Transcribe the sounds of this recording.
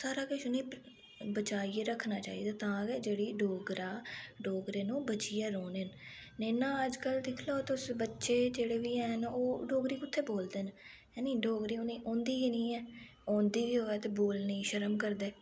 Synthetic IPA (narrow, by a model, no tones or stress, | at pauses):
saːɾaːkɪʃʊnĩː | bət͡ʃaːiːeɾəkʰːnaːt͡ʃa̰ːḭːd̪aːt̪ãːɡɛːd͡ʒeːɽiːɖoːɡɾaːɖoːɡɾeːnũːbət͡ʃiːɛːɾoːneːnneːnãːəd͡ʒkəld̪ɪkʰloːt̪ʊsbətːʃeːd͡ʒeːɽeːʋiːɛːnoːɖoːɡɾiːkʊt̪ʰːeːboːld̪eːn | ɛːnĩːɖoːɡɾiːoniːʔõːnd̪iːiːnĩːɛː | ɔ̃ːnd̪iːʋiːɦoːɛːt̪eːboːlniːʃəɾəmkəɾd̪eː